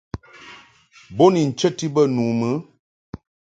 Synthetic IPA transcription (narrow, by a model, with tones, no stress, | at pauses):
bo˦ni˨n̩˨t͡ʃə˦ti˦bə˦nu˨mə˨˦